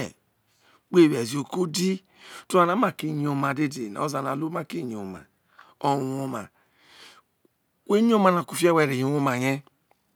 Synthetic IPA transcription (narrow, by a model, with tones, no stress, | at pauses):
k͡pe˦˨wɛ˨zi˨o˨ko˦di˦ | tu˦a˨na˨˦ma˦˨ki˦˨ɲ˨o˨ma˨de˦de˨n˨o˦za˨na˨lo˦a˦ki˦˨ɲ˨o˨ma̰˨ | o˨o˧ma̰˨ | we˦o˦ma˧na˨ku˧˨fi˦a˦wɛ˦˨ɾe˨jo˨˦o˦ma˨jɛ˦